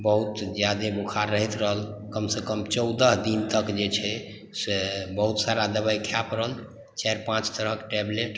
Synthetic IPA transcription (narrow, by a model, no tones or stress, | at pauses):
bəɦut̪d͡ʒjad̪ebukʰaɾːəɦit̪ɾəɦəl | kəmsekəmt͡ʃəwd̪əɦd̪int̪əkd͡ʒet͡ʃʰɛ | sebəɦut̪saɾad̪əbajkʰjapɾəɦəl | t͡ʃajɾpãt͡ʃt̪əɾəkʈɛbleʈ